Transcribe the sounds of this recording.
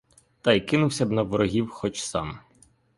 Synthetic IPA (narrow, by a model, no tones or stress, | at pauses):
t̪ɑjkɪnʊwsʲɐbnɐʋɔɾɔɦʲiwxɔt͡ʃsɑ̰m